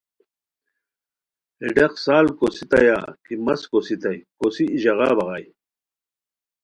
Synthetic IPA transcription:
ɛɖeqsaːlkosit̪ɐja̰kimɐskosit̪ajkosiːʑɑʁɑ̰ːbɐʁɑj

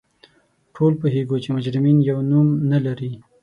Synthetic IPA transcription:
ʈʰolpoɦeɡot͡ʃemʊd͡ʒɾɪminjawnumnalaɾi

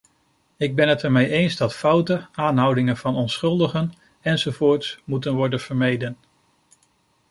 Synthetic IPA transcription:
ɪɡ̚bɛnɦətɛɹmejʔejnzdɑtfʌwtəaːnɦʌwdɪŋənvɑnɔnsχɵlˠdəχən | ɛnzowvoːɹtsmutənʋɔɹdənv̥əɹmejdən

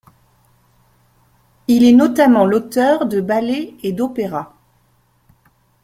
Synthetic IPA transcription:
ilɛnɔt̪amɑ̃lot̪œʁd̪əbaleed̪opeʁa

